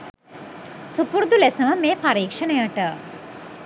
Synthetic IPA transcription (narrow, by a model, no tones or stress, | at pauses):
supuɾd̪ulesəʋəmeːpaɾiːkʂənəjəʈə